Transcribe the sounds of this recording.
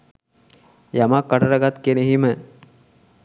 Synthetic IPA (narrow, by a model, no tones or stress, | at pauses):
jamakːəʈəɾəɡat̪keneɦimə